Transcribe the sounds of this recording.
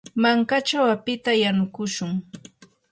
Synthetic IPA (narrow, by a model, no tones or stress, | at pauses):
maŋkat͡ʃawapɪt̪ajanʊkʊʃʊŋ